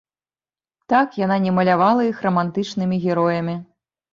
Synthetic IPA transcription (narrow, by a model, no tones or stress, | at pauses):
t̪akjananʲɛmɐlʲavalˠɐixrɐmant̪ɨt͡ʂnɨmʲiɣʲɛɾɔjɐmʲi